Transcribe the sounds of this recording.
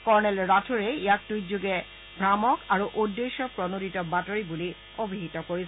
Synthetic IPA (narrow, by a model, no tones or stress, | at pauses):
kɔɹnɛlɹatʰuɹeijak̚tujzuɡɛ | bʱɹamɔkaɹuʔudːeʃɔpɹɔnoditɔbatoɹibuli | obʱiɦitɔkoɹi